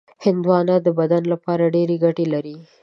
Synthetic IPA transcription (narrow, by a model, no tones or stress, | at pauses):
hɪnd̪wɑnad̪əbad̪anlapɑɾaɖeɾeɡaʈelaɾi